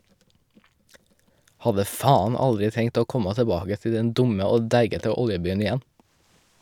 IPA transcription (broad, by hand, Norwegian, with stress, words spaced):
ˈhɑdə ˈfɑːɑn ˈɑldɾɪ ˈtɛŋt ˈoː ˈkɔmɑ təˈbɑːɡə ˈtɪ ˈdɛn ˈdʊmə ˈoː ˈdæɪɡətə ˈɔljəˌbyːən ɪˈjɛn